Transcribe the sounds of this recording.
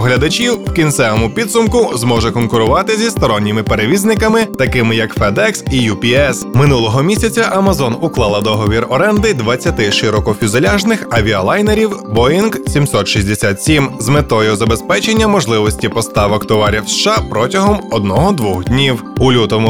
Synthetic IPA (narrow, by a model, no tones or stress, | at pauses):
ɦlʲɐd̪ɐt͡ʃʲiwwkʲint̪sɛʋɔmʊpʲid̪sʊmkʊzmɔʒɛkɔnkʊɾʊʋɑt̪ɪzʲist̪ɔɾɔnʲːɪmɪpeɾeʋʲiznɪkɐmɪt̪ɐkɪmɪjɐkfɛd̪ɛksijupʲiɛsmɪnulˠɔɦɔmʲisʲɐt͡sʲɐʔɐmɐzɔnʊklˠɑlˠɐd̪ɔɦɔʋʲirɔɾɛnd̪ɪd̪ʋɐt͡sʲːɐt̪ɪʃɪɾɔkɔfʲʊzelʲaʒnɪxɐʋʲiɐlˠajneɾʲiwbɔjinɡsʲimsɔt̪ʃizʲd̪esʲat̪sʲimzmet̪ɔjʊzɐbespɛt͡ʃe̞nʲːɐmɔʒlˠɪʋɔsʲtʲipɔst̪ɑʋɔkt̪ɔʋɑɾʲiwsʃɑpɾɔtʲɐɦɔmɔd̪̚nɔɦɔd̪ʋɔxd̪ʲnʲiwulʲut̪ɔmʊ